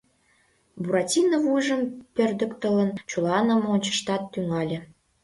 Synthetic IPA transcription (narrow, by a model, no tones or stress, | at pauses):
buɾɑtʲinəvujʒəmpørd̪ə̆kt̪ələnt͡ɕulɑnə̆monʲt͡ɕə̥̆ʃt̪ɑt̪ːyŋɑlʲĕ